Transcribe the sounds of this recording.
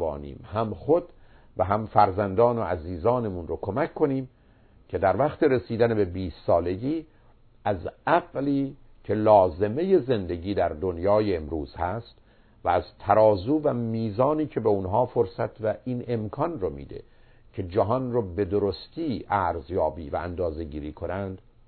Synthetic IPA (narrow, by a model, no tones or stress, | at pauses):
nḭːmhæmχod̪ | væɦæmfæɾzænd̪ɒːnoæziːzɒːnemunrokʰo̞mækʰːo̞niːm | cʰe̞d̪æɾvæχt̪e̞ɾesiːd̪ænebe̞biːst̪sɒːle̞ɟiː | ʔæzæɣliː | cʰe̞lɒːze̞me̞je̞ze̞nd̪e̞ɟiːd̪æɾd̪o̞njɒːjeːmɾuːz̥hæst̪ | væːzt̪ʰæɾɒːzuːvæmiːzɒːniːcʰe̞beunɦɒːfoɾsæt̪ʰvæʔine̞mkʰɒnromḭːd̪ḛ | cʰe̞d͡ʒæɦɒnrobe̞d̪oɾost̪ʰiːʔæɾzjɒːbiːvæ̰ænd̪ɒːze̞ɟiːɾiːkʰonænd̪̥